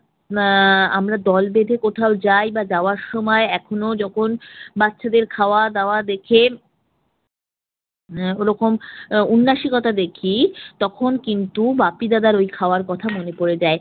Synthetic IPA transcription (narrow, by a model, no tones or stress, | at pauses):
a̰mɾad̪ɔlbed̪ʱekot̪ʰaod͡ʑajbad͡ʑaoaɾʃɔmɔeɛkʰonod͡ʑɔkʰonbatːʃʰad̪eɾkʰaoad̪aoad̪ekʰe | oɾɔkomunːaʃikɔt̪ad̪ekʰit̪ɔkʰonkint̪ubapid̪ad̪aɾojkʰaoaɾkɔt̪ʰamonepoɾed͡ʑae